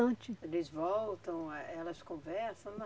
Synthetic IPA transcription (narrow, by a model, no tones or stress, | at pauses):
ɐ̃t͡ʃɪlɪzvɔwt̪ɐ̃w̃ɛɛlɐskõvɛɾsɐ̃w̃n